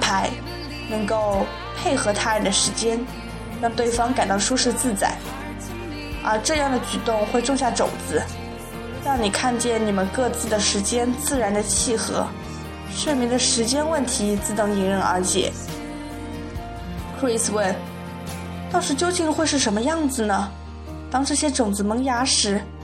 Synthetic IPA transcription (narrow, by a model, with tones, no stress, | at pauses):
pʰa˧˥ɪ | nɤ˧˥ŋko˥˧ʊ | pʰe˥˩ɪxɤ˧˥t̪ʰa˥ɻə˨˩d̪ə˩ʂɻ̩˧˥t͡ɕjɛ˥n | ɻɑ˥˧ŋt̪we˥˩ɪfɑ˥ŋka˨˩ɪt̪ɑ˥˧ʊʂu˥ʂɻ̩˥˧t͡sɹ̩˥˩t͡sa̰˨˩˦ɪ | ə˞˧˥ʈ͡ʂɤ˥˧jɑ˥˩ŋd̪ə˩t͡ɕy˨˩t̪ʊ˥˧ŋxwe˥˧ɪʈ͡ʂʊ˥˧ŋɕja˥˩ʈ͡ʂʊ̰˨˩ʊŋt͡sɹ̩˧˥ | ɻɑ˥˩ŋni˨˩kʰa˥˧nt͡ɕjɛ˥˩nni˨˩mə˦nkɤ˥˧t͡sɹ̩˥˩d̪ə˩ʂɻ̩˧˥t͡ɕjɛ˥nt͡sɹ̩˥˩ɻa˧˥nd̪ə˧t͡ɕʰi˥˩xɤ̰˧˥ | ɕɛ˥˩mi˧˥ŋd̪ə˧ʂɻ̩˧˥t͡ɕjɛ˥nwə˥˩nt̪ʰi˧˥t͡sɹ̩˥˩t̪ɤ˧˥ŋi˧˥ŋɻə˧˥nə̰˞˧˥t͡ɕʰjɛ̰˨˩˦ | kʰɹi˥˩swə˥˩n | t̪ɑ˥ŋʂɻ̩˧˥t͡ɕjo˥ʊt͡ɕi˥˧ŋxwe˥˧ɪʂɻ̩˥˩ʂə˧˥nmə˧jɑ˥˩ŋd͡zɹ̩˩nə˩ | t̪ɑ˥ŋʈ͡ʂɤ˥˩ɕjɛ˥ʈ͡ʂʊ˨˩ŋd͡zɹ̩˧mɤ˧˥ŋja˧˥ʂɻ̩˧˥